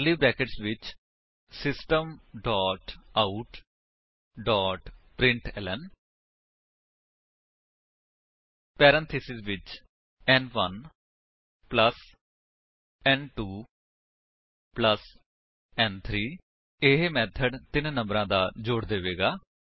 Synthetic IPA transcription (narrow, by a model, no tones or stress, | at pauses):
liːbɾɛːkəʈsʋɪt͡ʃ | sɪsʈəmɖɔːʈaːuʈ | ɖɔːʈpɾɪ̃ɳʈɛ̰ːlən | pɛːɾə̃nt̪ʰeːsɪzʋɪt͡ʃ | ɛːnʋən | pləs | ɛːnʈuː | pləs | ɛːnt̪ʰɾiː | ɪɦemɛːt̪ʰəɖt̪ɪnnə̃mbɾãːd̪aːd͡ʒʊːɽd̪eːʋeːɡaː